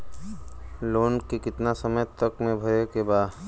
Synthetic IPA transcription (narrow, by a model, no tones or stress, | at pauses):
loːnkekɪt̪nasəməjt̪əkmẽbʱəɾekebaː